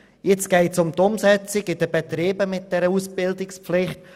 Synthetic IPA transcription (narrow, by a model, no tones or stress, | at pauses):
jɪt͡sɡ̥ɛɪtsʊmt̪ʊmsɛt͡sɪɡɪd̥əb̥ɛtɾiːbəmɪt̚d̥ɛɾəusb̥ɪldɪkspflɪχt